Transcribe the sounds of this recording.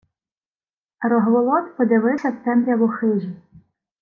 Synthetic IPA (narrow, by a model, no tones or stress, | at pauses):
ɾɔɦʋɔlˠɔt̪pɔd̪ʲɐʋɪwsʲɐst̪ɛmɾʲɐʋɔxɪʒʲi